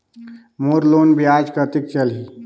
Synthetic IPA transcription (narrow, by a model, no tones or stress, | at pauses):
moɾloːnbʱiad͡ʒkət̪ik̚t͡ʃəlɦi